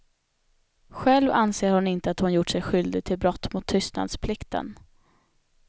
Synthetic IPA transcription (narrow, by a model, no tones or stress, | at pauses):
ɧɛlvanseːɾhʊnɪnt̪əat̪hʊnjʊʈʂɛjɧʏld̪ɪɡ̚t̪ʰɪlbɾɔt̪ːmʊt̪ʰːʏst̪na̰d̪spʰlɪkt̪ə̰n